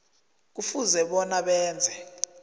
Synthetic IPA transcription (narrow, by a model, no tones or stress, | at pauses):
k̬ufuzɛɓɔnaɓɛːnd͡zʱɛ